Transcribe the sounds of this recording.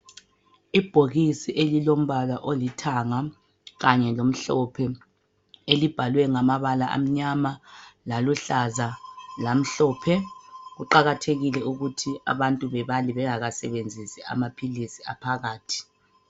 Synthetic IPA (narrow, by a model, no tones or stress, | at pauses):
ib̥ʱoɣisiʔelilom̩βalaʔolitʰaŋa | ɣaɲɛlom̩ɬɔpʰɛ | elib̥ʱalwɛŋamaβalaʔa̰m̩ɲamalaluɬazalam̩ɬɔːpʰɛɣuǃaɣatʰeɣilɛuɣutʰia̰βantʼuβɛβaliβɛŋaɣasɛβend͡zʱisɛa̰mapʰilisiapʰaɣaːtʰi̥